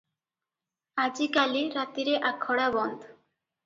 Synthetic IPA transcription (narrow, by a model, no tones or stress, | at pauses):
ad͡ʑikaliɾat̪iɾeʔakʰːɔɽabɔnd̪